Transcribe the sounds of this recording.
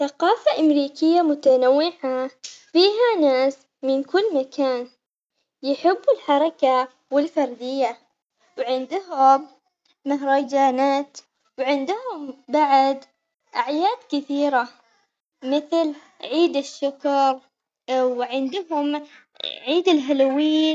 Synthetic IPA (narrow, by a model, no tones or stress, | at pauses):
θaqɑːfaʔamɾiːkɪjːamʊt̪anawːɪʕafiːɦanaːs | mɪnkʊlːmakʰaːn | jɪħɪbːʊlħɑɾˤɑka | wɪlfɑɾˤd̪ɪjːa | wʕɪnd̪ʊɦʊmː | ɪɦɾˤɑd͡ʒaːnaːt̪ | wʕɪnd̪ʊhʊmbaʕd̪ | ʔaʕjaːd̪kɪθiːɾa | mɪθl | ʕiːd̪ɪʃːʊkɾˤ | wʕɪnd̪ɦʊm | ʕiːd̪ɪlɦalawiː